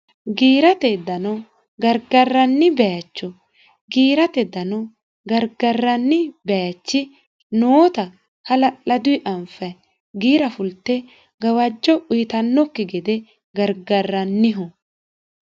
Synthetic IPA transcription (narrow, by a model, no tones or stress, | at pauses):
ɡiːɾɐt̪ɛd̪ɐnɐ | ɡɐɾɡɐrːɐnːɪbɛjat͡ʃːɔ | ɡiːɾɐt̪ɛd̪ɐnɐ | ɡɐɾɡɐrːɐnːɪbɛjat͡ʃːɪ | noːt̪ɐ | hɐlɐlɐd̪ʊɪʔɐmfɐ | ɡiːɾɐfʊlt̪ːɛ | ɡɐwɐd͡ʒːɔʊjɪt̪ɐnːɔkːɪɡɛd̪ɛ | ɡɐɾɡɐrːɐnːɪɦɔ